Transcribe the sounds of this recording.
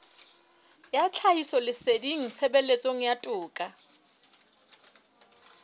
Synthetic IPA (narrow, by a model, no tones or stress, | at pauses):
jat͡ɬʰaisɔlɪsediŋ̩t͡sʰɛbelet͡sʼoŋ̩jatʼʊːkʼa